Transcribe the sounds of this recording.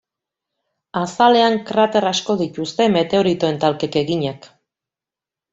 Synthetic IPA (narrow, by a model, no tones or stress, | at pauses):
asale̞aŋkɾat̪e̞ɾasko̞ðit̪ust̪e̞me̞t̪e̞o̞ɾit̪o̞e̞nt̪alke̞ke̞ɣiɲak